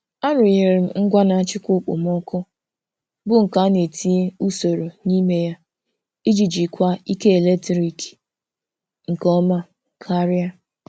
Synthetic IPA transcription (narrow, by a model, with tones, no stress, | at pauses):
a˦ɾʊ˨ɲe˨ɾɪ˨m̩˦ŋ̩˦ɡʷa˦na˨a˦t͡ʃɪ˦kʷo˦˨k͡pʊ̰˨m˦ɔ˦kʊ˦ | bʊ˦ŋ̩˨ka˨˦ne˨tʰi˦e˦u˦so˨ɾo˨ni˦me˦ja˦ | i˦d͡ʒi˨d͡ʒi˨kʷa˦i˦ke˦e˨le˦tɾi˨ki̥˨ | ŋ̩˨kɔ˦ma˦ | kʰa˦ɾi˦a˦